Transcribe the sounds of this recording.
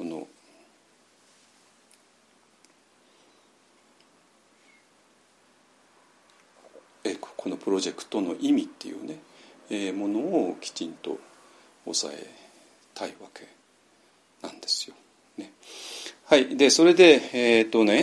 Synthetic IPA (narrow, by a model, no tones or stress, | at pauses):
ko̞no̞̰ | ekʰo̞no̞pɯ̟ɾo̞ʑe̞kɯ̟̥t̪o̞no̞ʔimʲit̪ːe̞jɯ̟̰ːne̞eːmo̞no̞ːkʲi̥t͡ɕĩnt̪o̞̰ː | sa̰e̞ | t̪ʰaiβake̞ | nãnd̪e̞̥sɨ̥jo | ne | haid̪e̞so̞ɾe̞d̪e̞eːt̪o̞ne̞